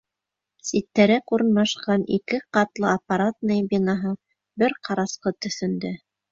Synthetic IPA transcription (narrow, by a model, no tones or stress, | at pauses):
sit̪ːæɾækuɾɤ̆nmɑʃqɑnikɘqɑt̪lˠɤapːaɾat̪̚nɤjbinɑɦɤ | bɘɾqʰɑɾɑsqɤt̪ɵ̆θɵ̆nd̪ɘ